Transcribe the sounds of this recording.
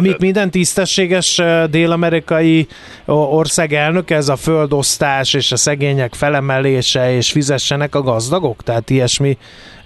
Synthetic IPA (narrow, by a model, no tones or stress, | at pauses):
mikmind̪ɛnt̪ist̪ɛʃːeːɡɛʃd̪eːlɒmɛɾikɒji | o̞rsaːɡɛlnø̞kɛɛzɒføld̪o̞st̪aːʃeːʃɒsɛɡeːɲɛkfɛlɛmɛleːʃɛeːʃfizɛʃːɛnɛkɒɡɒzd̪ɒɡo̞kt̪ɛɦaːt̪iɛʃmi